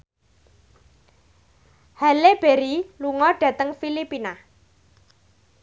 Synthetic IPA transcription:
haleb̥eɾiluŋɔɖ̥ä̤t̪əŋfilipina

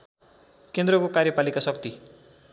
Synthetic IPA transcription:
kend̪rʌkokarjʌpalikasʌkt̪i

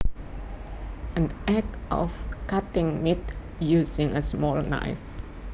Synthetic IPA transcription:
ʔə̃nɛkʔɔ̰fkat̪ɪŋmit̪ | jusɪ̃ŋəsmɔlna̰jf

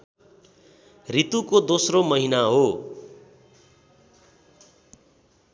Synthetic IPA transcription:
rit̪ukod̪osromʌɦinaɦo

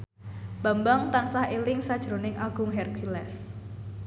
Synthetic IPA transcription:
b̥ambaŋt̪ansahelɪŋsad̥ʒ̥ɾonɪŋʔaɡ̥ʊŋɦɛrkʰilɛs

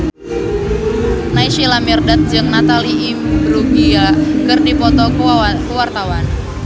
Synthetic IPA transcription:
naiʃilamirdat̪̚d͡ʒɨŋnat̪aliimbɾuɡiakɨrdipɔt̪ɔkkəwart̪awan

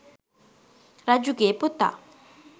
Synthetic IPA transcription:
rad͡ʑuɡeput̪a̰

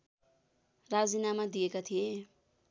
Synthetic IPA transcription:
rad͡zinamad̪ijekat̪ʰije

